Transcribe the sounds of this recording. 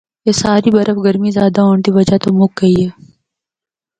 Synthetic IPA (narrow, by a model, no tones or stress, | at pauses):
jesaːɾibɐɾəfɡɐɾmizjaːd̪aoːɳt̪iʋɐd͡ʒat̪omʊk̚ɡɐiɦɛː